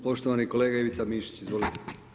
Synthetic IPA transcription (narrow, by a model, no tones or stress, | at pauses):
po̞ʃt̪oʋaniko̞leːɡaeʋit̪samiʃi̥t͡ɕizʋo̞lit̪e̥